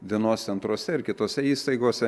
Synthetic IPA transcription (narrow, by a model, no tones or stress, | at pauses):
ʋʲiɛnoːsʲɛnt̪ɾuɔsʲɛɪɾkʲɪt̪oːsʲɛiːst̪ɐɪɡoːsʲɛ